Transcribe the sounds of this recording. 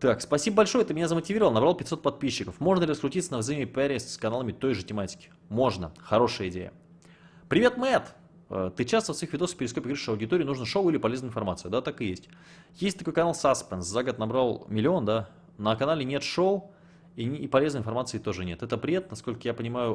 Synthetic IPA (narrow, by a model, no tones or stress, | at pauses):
t̪akspɐsʲibəbɐlʲʂojəɛt̪əmʲɪnʲazəmətʲɪvʲiɾəvəlˠnɐbɾalˠpʲɪt̪ʲso̞t̪̚pɐt̪̚pʲiɕːɪkəfmo̞ʐnəlʲɪrəskɾʊtʲit̪sənəvzɐimʲɪpʲɛɾʲɪskɐnalˠəmʲɪt̪o̞jʐɨtʲɪmatʲɪ̥kʲɪ̥ | mo̞ʐnəxɐɾo̞ʂɨjəɪdʲḛjə̰ | pɾʲɪvʲe̞t̪mɛt̪ | ə̰t̪ɨt͡ɕast̪əsixvʲɪd̪ospʲɪɾʲɪskopʲɪɡɾɨʂɐwdʲɪt̪oɾʲɪjnuʐnəʂoʊilʲɪpɐlʲeznəɪnfɐrmat̪sɨʊd̪at̪akɨjesʲtʲ | jesʲt̚ʲt̪ɐko̞jkɐnalˠsaspʲɛnszaɡət̪nɐbɾalˠmʲɪlʲɪo̞nd̪a | nəkɐnalʲɪnʲet̪ʂoʊ | iipɐlʲe̞znəɪnfɐrmat̪sɨɪt̪o̞ʐɨnʲe̞t̪ɛt̪əpɾʲɪvʲet̪̚nɐsko̞lʲkəjapənʲɪmajʊ